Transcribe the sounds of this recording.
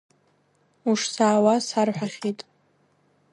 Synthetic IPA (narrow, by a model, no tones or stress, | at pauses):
uʂsaːwasarħʷᶣaχʲitʼ